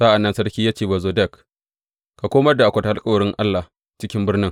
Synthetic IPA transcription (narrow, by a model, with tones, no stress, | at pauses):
sa˦ʔa˨nːɐ˦nsɐ˦ɽkʲiː˦jaː˦t͡ʃeː˨ba˨zoː˨dɛ˦˨k | ka˨kʷoː˦mɐ˦rda˨ʔa˨kʷɐ˨ta˨a˦lkʼɐ˨wɽɪ˦ŋʔa˦lːa˨ | t͡ʃɪ˦kʲɪ˦mbɪ˦rnɪ˦ŋ